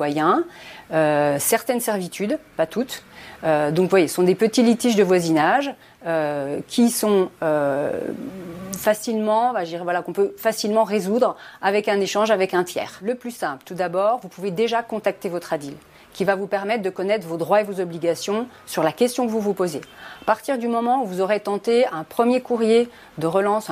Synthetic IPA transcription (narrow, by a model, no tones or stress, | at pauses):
wajɛ̃øsɛʁt̪ɛnsɛʁvit̪yd̪pat̪ʰut̪ød̪ɔ̃kvwajessɔ̃d̪epət̪ilit̪iʒd̪əvwazinaʒ | økʲʰisɔ̃ø | fasilmɑ̃vaʒəd̪iʁɛvwalakɔ̃pøfasilmɑ̃ʁezud̪ʁavɛkɛ̃neʃɑ̃ʒavɛkɛ̃t̪jɛ̰ːʁləplysɛ̃plt̪ud̪abɔʁvupuved̪eʒakɔ̃t̪ak̚t̪evɔt̪χad̪il | kʲivavupɛʁmɛt̪̚χd̪əkɔnɛt̪χvod̪ʁwaevozɔbliɡʲasjɔ̃ | syʁlakʲɛst̪jɔ̃kəvuvupozeapaʁt̪iʁd̪ymɔmɑ̃uvuzɔʁet̪ɑ̃t̪eɛ̃pχəmjekuʁje | d̪əʁəlɑ̃s